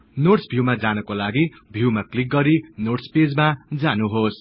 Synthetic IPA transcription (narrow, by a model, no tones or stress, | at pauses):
noʈsbʱjuwmad͡zanʌkolaɡi | bʱjuwmaklik̚ɡʌɾinoʈsped͡zmad͡zanuɦos